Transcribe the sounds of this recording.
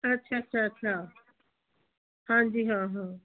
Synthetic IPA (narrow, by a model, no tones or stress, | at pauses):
ɐtːʃʰaɐtːɕʰaətːɕʰa | hãd͡ʑiːɦãɦã